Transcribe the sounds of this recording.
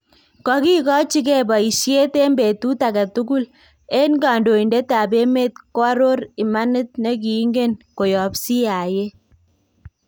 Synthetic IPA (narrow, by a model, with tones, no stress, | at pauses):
kɔ˨ki˦kɔ˦t͡ʃi˦kɛ˦bɔ˨i˨ʃje˦te˦mbe˨tu˦ta˨ka˨tu˦ku˦l | e˦nɡa˨ndo˨i˨nde˦ta˨be˦me˦t̚kɔ˦ɾo˦ɾi˨ma˦nɪ˦t̚ne˦k̬i˨˦ŋɡe˦nko˨jɔ˨psi˦a˨je˦